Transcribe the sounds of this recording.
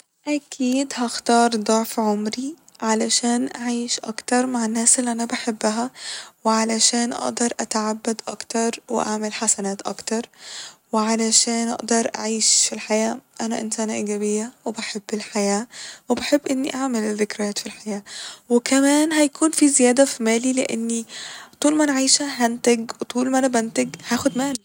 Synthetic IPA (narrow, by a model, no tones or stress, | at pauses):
ʔakʰiːd̪haxt̪ɑːɾˤd̪ˤʊʕfʕʊmɾi | ʕalaʃæːnʔaʕiːʃʔɑ̰kt̪ɑɾˤmaʕɪnːæːsʔɪlːiʔanabaħɪbːaɦawɪʕalaʃæːnʔɑ̰ʔd̪ɑɾˤʔat̪aʕabːad̪ʔɑ̰kt̪ɑɾˤwɪ̰ʔa̰ʕmɪlħasanaːt̪ʔɑ̰kt̪ɑɾˤwɪʕalaʃæːnʔɑ̰ʔd̪ɑɾˤʔa̰ʕiːʃfilħajæːʔænæʔɪnsæːnʔiɡæbejːæwebaħebːelħajæːwebaħebːʔɪnːiʔaʕmelðɪkɾæːt̪filħajæːwekæmæːnɦæjkʰuːnfizɪjæːd̪æfimæːlileʔenːit̪ˤuːlmænʕijʃæɦænt̪æɡwt̪ˤuːlmænæbænt̪æɡhæːxod̪mæːli